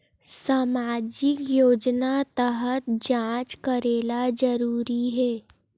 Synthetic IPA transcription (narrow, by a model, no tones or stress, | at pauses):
saːmaːd͡ʒɪkjoːd͡ʒnat̪əɦət̪d͡ʒãːt͡ʃkəɾeːlad͡ʒəɾuːɾiɦɛː